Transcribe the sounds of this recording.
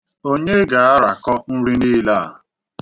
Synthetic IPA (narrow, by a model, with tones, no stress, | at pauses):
o˦ɲe˦ɡa˨a˦ɾa˨kɔ˦n̩˦ɾi˦niː˦la˦˨